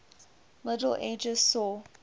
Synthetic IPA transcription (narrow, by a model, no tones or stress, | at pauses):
mɪdəl̩ʔḛd͡ʒəzsɔ